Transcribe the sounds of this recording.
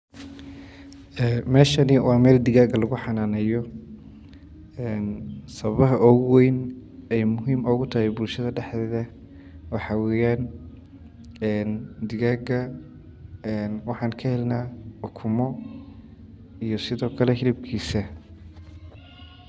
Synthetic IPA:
ɛmɛːʃɐnɪwɑːmɛːld̪ɪɣaːɣɐlɐɣʊħɑnaːnɛjɔ | ɛːnsɐβɐβɐɦɐʔɔɣwɛjnɛjmʊɦiːmɔːɣʊt̪ʰɐhɛjbʊlʃɐðɐɖɛħd̪ɛːðɐ | wɑħɑwɛːjaːn | ɛnd̪ɪɣaːɡɐ | ɛnwɑħɑːnkʰɐhɛlnaːʊkʰʊmɔ | ijɔsɪðɔːkʰɐlɛɦɪlɪb̚kʰiːsɐ

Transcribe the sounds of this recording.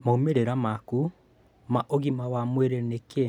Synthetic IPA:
maumeɾeɾamaku | maʔoɣimawamweɾɛneke

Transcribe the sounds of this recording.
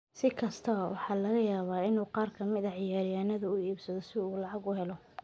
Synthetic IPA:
sɪkʰɐst̪ʰɐwɑħɑːlɐɣɐjaːβaːɪnuːqɑːrkʰɐmɪðɐʕɪjaːɾɪjaːnɐðɐʊiːbsɐðɔsɪuːlɑʕɑɡʊhɛlɔ

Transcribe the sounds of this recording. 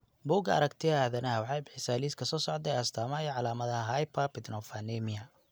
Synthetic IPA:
buːɡɐɐ̰ɾɐkt̪ʰɪɐɐːðɐnɐɦɐwɑħɑjbɪħɪsaːliːskʰɐsɔːsɔʕd̪ɛjɐst̪ʰaːmajɔʕɑlaːmɐðɐɦajpʰɐpɪd̪nɔfanɛmɪɐ

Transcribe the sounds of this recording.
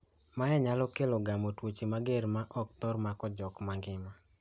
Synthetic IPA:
maɛɲalɔkelɔɡamotwot͡ʃimaɡeɾmaʔɔk̚t̪ɔɾmakɔd͡ʒɔkmaŋɡɪma

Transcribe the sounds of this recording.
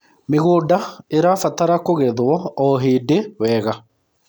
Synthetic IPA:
meɣoːdaeɾafataɾakoɣɛðwɔɔɦeːdewɛːɣa

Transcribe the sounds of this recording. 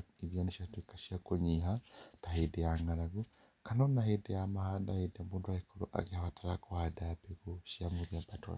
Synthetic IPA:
iɾjɔneʃiatwikḁʃiakoɲiɦataɦedɛjaŋaɾaɡu | kanɔnahedɛjamahadahedɛamudwaikɔɾo̰ʔa̰ɣehaβataɾakohadabeɣuʃiamuðiabatɔ̰n

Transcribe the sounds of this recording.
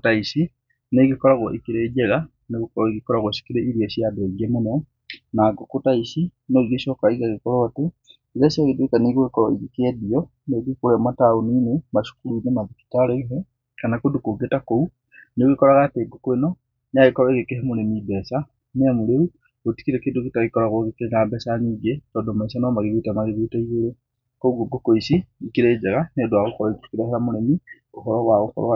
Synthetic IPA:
taisi | neɣekɔɾaɣɔʔekeɾed͡ʒɛɣa | neɣokɔɾɔiɣekɔɾaɣɔʃi̥kiɾeiɾiaɕiadɛɡɛmonɛ | naɡokotaisinɔiɣeʃɔkaiɣaɣekɔɾɔate | iɣaʃjaɣedekaneɣoekɔɾɔ̰iɣekɛdiɔ | neɡekoɾɛmataoninemaʃu̥kuɾuinemaðiki̥taɾeiɦe | kanakodukoɡetakou | niɣekɔɾaɣateːɡokoenɔ | neaɣekɔɾaeɣekeɦemoɾemibɛsa | neamuɾeu | oti̥kiɾekeːndokitaɣikɔɾaɣoɣekeŋɡabɛsaniːɡetɔːndomaisanɔmaɣeɣetamaɣeɣetaiɣoɾe | kouɡoɡokoisiikiɾed͡ʒaɣanedwaɣokɔɾaiti̥kiɾeheɾamoɾemi | ohɔɾɔɣwaɣohɔ̰ɾ

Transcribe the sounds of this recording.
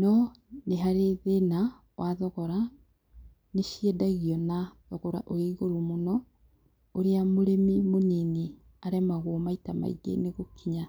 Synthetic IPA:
nɔ | neɦaɾeðena | wʔaðɔɣɔɾa | neʃiɛdaɣiɔnaðɔɣɔɾa̰ʔojaiɣoɾomonɔ | oɾeamoɾemimoɲeni | aɾɛmaɣomaitama̰ḭɡḛneɣokʰiɲa

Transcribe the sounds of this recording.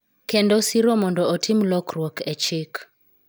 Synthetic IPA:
kendosiɾomɔndɔːtʰimlɔkrwokʰɛt͡ʃɪk

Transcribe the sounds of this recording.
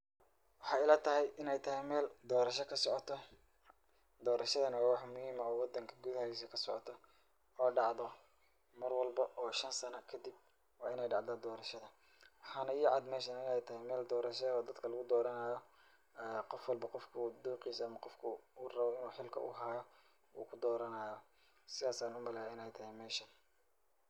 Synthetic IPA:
wɑħɑːɪlɐt̪ʰɐɦɛjʔɪnɛjt̪ʰɐɦɛjmɛːld̪ɔːɾɐʃɐkʰɐsɔʕɔt̪ʰɔ | d̪ɔːɾɐʃɐðɐnɐwaːwɑħmʊhiːmɐɔːwɑd̪ɐŋkʰɐɡuðhɐis̬ɐkʰɐsɔʕɔ̰t̪ʰɔ | ɔːɖɑʕðɔ | mɐrwɑlbɐʔɔːʃɐnsɐnɐkʰɐd̪ib̚ | wɑːɪnɛjɖɑʕd̪ɐd̪ɔːɾɐʃɐðɐ | wɑħɑːnɐjɪʕɑd̪mɛːʃɐnɪnɛjt̪ʰɐɦɪjmɛːld̪ɔːɾɐʃɐɔːd̪ɐd̪kʰɐlɐɣʊd̪ɔːɾɐnaːjɔ | ɛːqɔfwɑlbɐqɔfkʰʊd̪uːqiːsɐmɐqɔfkʰʊurɐβɔɪnuːħɪlkʰɐ̰ʔʊ̰ɦaːjɔ | ṵːkʰʊd̪ɔːɾɐnaːjɔ | sɪðaːsaːnʊmɐlɛaɪnɛjt̪ʰɐɦɪjmɛːʃɐn

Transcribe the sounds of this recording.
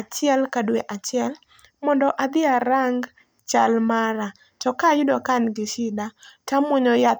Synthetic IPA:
at͡ʃɪɛlkadweʔat͡ʃɪɛl | mɔndɔʔad̪ɪaɾaŋɡ | t͡ʃalmaɾa | tɔkajʊdɔkanɡɪʃɪdatamʊɲɔja

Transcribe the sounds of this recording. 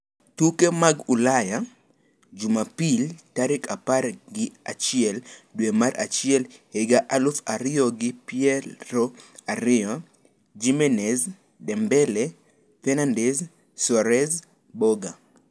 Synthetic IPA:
tukemaɡulaja | d͡ʒumapiltaɾɪkapaɾɡɪa̰t͡ʃɪɛldwemaɾʔa̰t͡ʃɪɛlheɡaʔalʊfaɾɪɔɡɪpiɛɾoaɾɪɔ | d͡ʒimɛnɛz | dɛmbɛlɛ | fɛnandɛs | sɔɾɛz | bɔɡa

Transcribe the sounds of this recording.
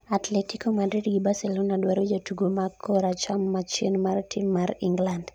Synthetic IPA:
at̪lɛtikɔmadɾidɡibasɛlɔnadwaɾud͡ʒatuɡomakʰɔɾat͡ʃamːat͡ʃinmaɾtʰimːaɾiŋɡland

